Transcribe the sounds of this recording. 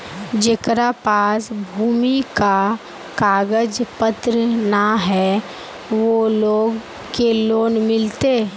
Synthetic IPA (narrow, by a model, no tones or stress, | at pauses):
d͡ʒekɾapaːsbʱuːmika | kaːɡəd͡ʒpət̪ɾənaɦɛ | ʋoloːɡ | keloːnmɪlt̪e